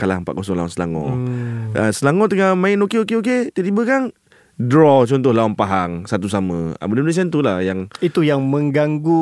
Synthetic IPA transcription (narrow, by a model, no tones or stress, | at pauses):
kala̰mpa̰ʔkɔsɔŋlaɔnsəla̰ŋɔ̰̃ | əsəlaŋɔt̪əŋamãɪnokeokeok̬et̪ət̪ibəkan | dɾɔt͡ʃɔnt̪ʊhlaɔnpaɦaŋsat̪us̬amə̰̃a̰bədinas̬ant̪ulahjaŋit̪ujaŋmə̃ŋɡaŋɡu